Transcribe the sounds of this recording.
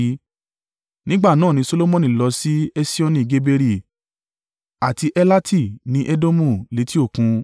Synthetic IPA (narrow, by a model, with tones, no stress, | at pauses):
nĩ˦ɡ͡ba˦˨nãː˦˨nĩ˧˦so˧lo˦mɔ̃˦nĩ˦˨lɔ˧si˦e˦si˦o˦nĩ˧˨ɡe˦be˧ɾi˦˨ | a˨ti˧ʔɛ˦la˦tʰi˦˨nĩ˦ʔe˦do˦mũ˦˨le˨˦ti˦o˦˨kũ˧